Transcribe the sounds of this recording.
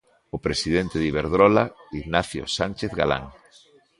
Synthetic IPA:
ʊpɾesið̞ent̪eðiβeɾðɾɔlaiɣnaθjo̰sanʲt͡ʃeθɣa̰la̰ŋ

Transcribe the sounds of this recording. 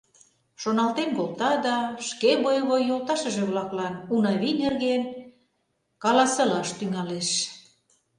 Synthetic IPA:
ʃonɑlt̪enkolˠt̪ɑd̪ɑʃkeβojβojjːolt̪ɑʃə̆ʒĕβlɑklɑnunɑβinerɣen | kɑlɑsɤ̆lɑʃt̪yŋɑleʃ

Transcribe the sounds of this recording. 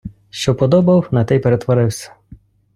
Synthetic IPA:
ʃt͡ʃɔpɔd̪ɔbɐwnɐt̪ɛjpeɾet̪ʋɔɾɪwsʲɐ̥

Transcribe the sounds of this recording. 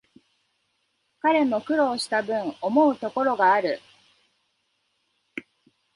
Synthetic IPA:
kaɾe̞mo̞kɯ̟ɾo̞ːɕi̥t̪abɯ̟̃ɴo̞mo̞ɯ̟t̪o̞ko̞ɾo̞ɡaːɾɯ̟

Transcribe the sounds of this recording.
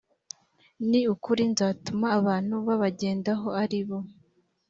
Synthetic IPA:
niukuɾinzaːtumaːβaːn̥huβaβaɟe̞ːndaɦo̞aɾiβo̞

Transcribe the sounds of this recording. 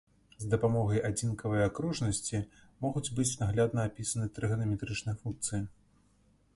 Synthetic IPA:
zd̪ɐpamɔɣɐjad͡zʲinkɐvɐjakɾɔʐnɐsʲt͡sʲimɔɣud͡zʲbɨt͡sʲnaɣlʲad̪nɐapʲisɐnɨt̪ɾɨɣɐnɐmʲɛt̪ɾɨt͡ʂnɨjɐfunk̚t̪sɨji

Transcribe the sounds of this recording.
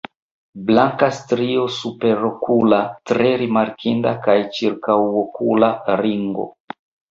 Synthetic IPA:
blaŋkastɾio̞supe̞ɾokʰulatɾe̞ɾimaɾkʰindakajt͡ʃiɾkawokʰulaɾiŋɡo̞̰

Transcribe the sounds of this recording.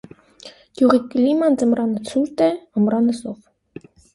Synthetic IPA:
kjuʁikːlʲimɑnd͡zəmɾɑnət͡sʰuɾt̪ɛəmɾɑnəsɔv

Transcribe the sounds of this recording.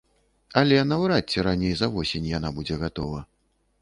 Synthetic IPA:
ɐlʲɛnavwɾatt͡sʲːɛɾanʲejzɐvɔsʲenʲjanabud͡zʲɛɣat̪ɔvɐ

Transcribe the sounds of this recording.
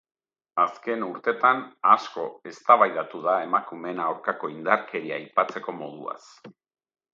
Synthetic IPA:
aske̞nuɾt̪e̞t̪anasko̞e̞st̪aβajðat̪uð̞ae̞makume̞nawɾkako̞ind̪aɾke̞ɾiajpat͡se̞ko̞mo̞ð̞ua̰s

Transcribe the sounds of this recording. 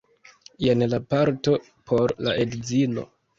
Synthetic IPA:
jenlapaɾto̞ | pʰo̞ɾla̰ʔe̞dd͡zino̞̰

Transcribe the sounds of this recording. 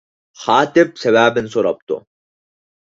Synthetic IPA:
χɑːt̪ɪp̚sɛvæːbɪnsoɾɑ̰p̚t̪ʊ̰

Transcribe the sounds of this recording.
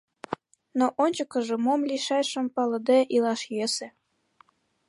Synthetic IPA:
noʔonʲt͡ɕəkə̆ʒĕmomlʲiʃɑjʃə̆mpɑlɤ̆d̪eʔilɑʃjesĕ

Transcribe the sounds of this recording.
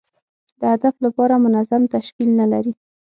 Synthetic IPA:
d̪̥əhad̪aflapɑɾamʊnazamt̪aʃkilnalaɾi

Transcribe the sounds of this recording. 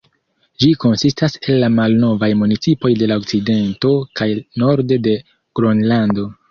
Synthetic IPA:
d͡ʒiko̞nsistase̞lːamalno̞vajmunit͡sipo̞jde̞lao̞k̚t͡side̞nto̞kajno̞ɾde̞de̞ | ɡ̥ɾonlando̞

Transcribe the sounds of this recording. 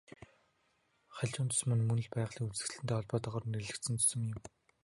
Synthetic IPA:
χaɮʲt͡ɕʊːnt͡s̪ʰʊ̥smɘ̆nmɵnɘ̆ɮpæːʁɮiːkut͡sɘ̥̆t͡ɕɮɘ̆nt̪eːɔɮpɔːt̪ɔʁɔːr̆neɮɘ̆kt̪sɘ̆nt͡s̪ʰɵ̥sɵ̆mjɪ̆m

